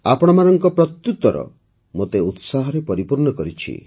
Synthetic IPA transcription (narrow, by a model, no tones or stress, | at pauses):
apɔɽ̃ɔmanɔŋkɔpɾɔst̪ːut̪ɔɾɔ̰ | mot̪eut̪saɦɔɾepɔɾipuɾɳɔkɔɾit͡ʃʰḭ